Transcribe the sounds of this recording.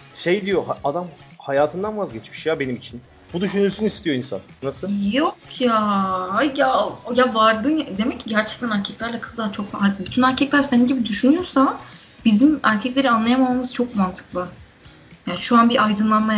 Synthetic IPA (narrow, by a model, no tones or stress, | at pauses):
ʃe̞jd̪ijo̞haad̪amhajaːt̪ʰɯnd̪anvazɟɛt͡ʃmi̥ʃjabenimit͡ʃʰin | b̥ud̪yʃynylʲsynist̪ʰijoinsa̰nːasɯjokʰjaːhjaojavaɾd̪ɯad̪e̞mɛcʰːiɟæɾt͡ʃʰɛ̥c̚t̪ʰænæɾcʰɛclʲæɾlʲɛkʰɯ̥zd̪ˠat͡ʃʰo̞kabyt̪ʰynæɾcʰɛclʲæɾseninɟibid̪yʃynyjo̞ɾsa | bizimæɾcʰɛclʲe̞ɾianlˠajamamamɯzt͡ʃʰok̚mant̪ʰɯ̥klˠɯ | jaːniʃuanbiʔajd̪ɯnlˠanma